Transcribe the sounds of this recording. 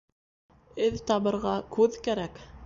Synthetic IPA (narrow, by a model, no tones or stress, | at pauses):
ɘðt̪ɑβɤ̆ɾʁɑkʰʉðkæɾæk